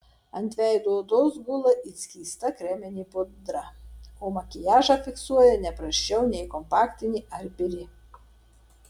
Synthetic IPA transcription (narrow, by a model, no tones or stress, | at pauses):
ɐnʲt̪ʲʋʲɛɪd̪oɔd̪ozɡʊlˠɐʔit̪sʲkʲiːst̪ɐkɾʲɛmʲɪnʲiːpʊd̪ɾɐoːmɐkʲɪjɑːʒɐfʲɪksuɔjɛnʲɛpɾɐʃʲt͡ʃʲɛʊnʲɛɪkɔmpɑːkt̪ʲɪnʲiːɐɾʲpʲɪɾʲɪ